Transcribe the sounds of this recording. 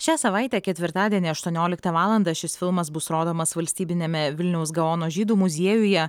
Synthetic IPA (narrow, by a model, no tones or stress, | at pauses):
ʃʲæːsɐʋɑˑɪt̪ʲɛːkʲɛt̪ʲʋʲɪɾt̪ɑːd̪ʲiɛnʲeːɐʃt̪uɔnʲoːlʲɪkt̪ɐʋɑːlˠɐnd̪ɑːʃʲɪsfʲɪlˠmɐsbʊsɾoːd̪oːmɐsʋɐlʲsʲt̪ʲiːbʲɪnʲɛmʲɛʋʲɪlʲnʲɛʊsɡɐoːnoːʒʲiːd̪uːmʊzʲiɛjʊjɛ